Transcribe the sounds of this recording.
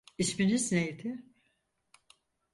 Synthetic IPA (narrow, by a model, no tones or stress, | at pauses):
isminiznejd̪ɪ